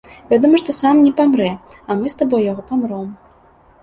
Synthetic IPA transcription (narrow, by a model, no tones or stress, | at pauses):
vʲad̪ɔmɐʂt̪ɔsamnʲɛpamɾɛ | amɨst̪abɔjjaɣɔpamɾɔm